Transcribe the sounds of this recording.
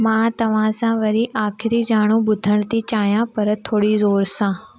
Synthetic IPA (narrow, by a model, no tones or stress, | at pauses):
mãːt̪ɐʋ̤ãsãʋɐɾiʔaːkʰɪɾid͡ʒaːɽ̃ũbʊd̪ʱəɽ̃t̪it͡ɕaːɦjãpɐɾt̪ʰoːɽizoːɾsãː